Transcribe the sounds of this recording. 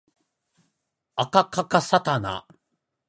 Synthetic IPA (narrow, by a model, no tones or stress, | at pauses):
akakakasat̪ana̰